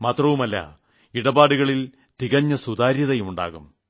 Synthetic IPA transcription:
maːt̪rɐʋumɐlːɐ̰ | iɽɐbaːɽuɣɐɭil | t̪iɣɐɲːɐsud̪aːɾjɐðɐjuɳɖa̰ːɣum

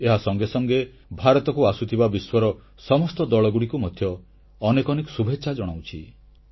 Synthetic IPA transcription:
eɦasɔŋɡesɔŋɡe | bʱaɾɔt̪ɔkuasut̪ʰibabiswɔɾɔ | sɔmɔst̪ɔd̪ɔɭɔɡuɽikumɔd̪ʱjɔː | nekɔnekɔ̥subʱetːʃʰad͡ʒɔɽ̃awt͡ʃʰi

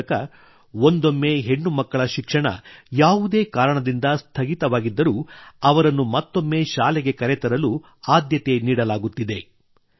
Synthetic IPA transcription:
kɐ | ond̪o̞mːe̞ɦe̞ɳːumɐkːɐɭɐʃikʂɐɳɐ̰jaːʋud̪e̞ːkaːɾɐɳɐd̪ind̪ɐst̪ʰɐɡit̪ɐʋaːɡid̪ːɐɾuːɐʋɐɾɐnːumɐt̪ːo̞mːe̞ːʃaːlɛɡe̞kɐɾɛt̪ɐɾɐlu | aːd̪jɐt̪e̞niːɽɐlaːɡut̪ːid̪e̞

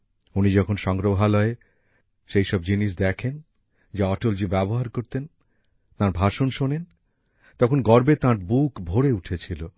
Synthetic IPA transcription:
unid͡ʑɔkʰonʃɔŋɡɾoɦaloe | ʃejʃɔb̚d͡ʑiniʃ̬d̪ɛkʰen | d͡ʑaɔʈold͡ʑibɛboɦaɾkoɾt̪en | t̪aɾbʱaʃonʃonen | t̪ɔkʰonɡɔɾbet̪ãɾbukbʱoɾeuʈʰet͡ɕʰilo

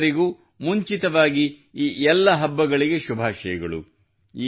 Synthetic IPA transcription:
ɾiɡuː | muɲt͡ʃit̪ɐʋaːɡi | iːʔɛlːɐɦɐbːɐɡɐɭiɡe̞ʃubʱaːʃɐjɐɡɐɭṵ | iː

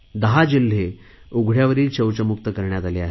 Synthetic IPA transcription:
d̪əɦad͡ʑil̤ːe | uɡʱɽjaʋəɾiːlt͡ɕəwt͡ɕəmukt̪əkəɾɳjat̪aleaɦe

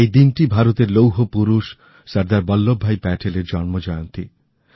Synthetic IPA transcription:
ejd̪inʈibʱaɾot̪eɾlowɦopuɾuʃ | sʌɾd̪aɾbɔlːobʱːajpɛʈʰeleɾd͡ʑɔnmod͡ʑɔjont̪ḭ

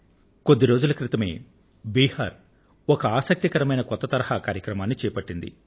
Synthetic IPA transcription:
ko̞d̪ːiɾo̞ːd͡ʒulɐkɾit̪ɐme̞̰ː | biːhaːɾ | ɔkɐaːsɐk̚t̪ikɐɾɐmɐjnɐkɔt̪ːɐt̪ɐɾɐhakaːɾjɐkɾɐmaːnːit͡ʃɛːjɐpɐʈːind̪ḭ

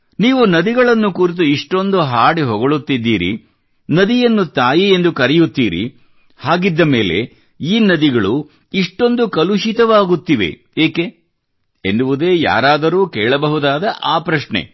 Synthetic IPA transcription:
niːʋunɐd̪iɡɐɭɐnːukuːɾit̪̬uiʂʈo̞nd̪uɦaːɽiɦɔɡoɭut̪ːid̪ːiːɾḭ | nɐd̪ijɐnːut̪aːjie̞nd̪ukɐɾɛjut̪ːiːɾḭ | haːɡid̪ːɐme̞ːle̞̰ | iːnɐd̪iɡɐɭu | iʂʈo̞nd̪ukɐluʃit̪ɐʋaːɡut̪ːiʋḛ | eːke | enːuʋud̪e̞ːja̰ːɾaːd̪ɐɾuːkɛːɭɐbɐɦud̪aːd̪ɐʔaːpɾɐʂɳḛ

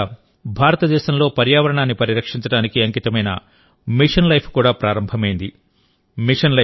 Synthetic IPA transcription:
bʱaːɾɐt̪ɐd̪ɛːʃɐmlo̞ːpɐɾjaːʋɐɾɐɳaːnːipɐɾiɾɐkʂiɲt͡ʃɐɽaːnikiɐŋkit̪ɐmɐjnɐ̰ | miʂɐnlɐjpʰkuːɽaːpɾaːɾɐmbʱɐmɐjind̪i | miʂɐnlɐ

